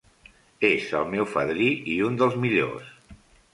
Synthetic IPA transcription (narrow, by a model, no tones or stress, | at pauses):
ezə̰lˠmɛwfəðɾiʔiund̪əlˠzmiʎo̰s